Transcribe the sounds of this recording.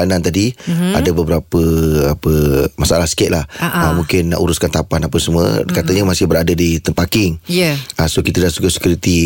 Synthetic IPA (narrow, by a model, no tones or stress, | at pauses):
nant̪adia̰dabəbəɾapəapəmasaa̰lahsə̥kɛʔ̪̚lahəmuŋkɪnːa̰ʔuɾuskant̪apanapənsəmuə̰kat̪əɲəmasɪhbəɾadadit̪əmpakɪŋjasokit̪adasukasə̥kəɾit̪i